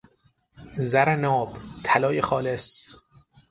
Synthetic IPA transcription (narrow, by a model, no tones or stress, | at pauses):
zæɾænɒːb̥t̪ʰælɒːjexɒːles